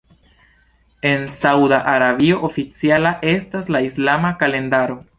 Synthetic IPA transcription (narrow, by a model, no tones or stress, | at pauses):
e̞nsawdaʔaɾaβio̞ʔofit͡sialaʔe̞staslaislamakale̞ndaɾo̞